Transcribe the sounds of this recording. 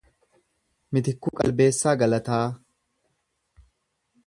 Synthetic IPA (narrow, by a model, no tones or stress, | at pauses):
mɪt̪ɪkːʊkʼɐ̰lbe̞ːsːaːɡɐlɐt̪aː